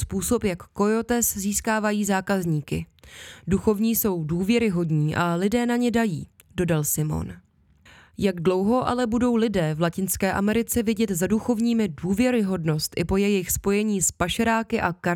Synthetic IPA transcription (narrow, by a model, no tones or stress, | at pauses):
spuːso̞pjakːo̞jot̪ɛsziːskaːvajiːzaːkazɲiːkɪ̰duxo̞vɲiːso̞wduːvjɛɾɪɦo̞dɲiːʔalɪdɛːnaɲɛdajḭː | do̞dalsɪmo̞̰n | jaɡdlo̞wɦo̞ʔa̰lɛbudo̞wlɪdɛːvlacɪnskɛːʔamɛɾɪt͡sɛvɪɟɛt̪zaduxo̞vɲiːmɪduːvjɛɾɪɦo̞dno̞st̪ʔɪpo̞jɛjɪxspo̞jɛɲiːspaʃaɾaːkɪʔaka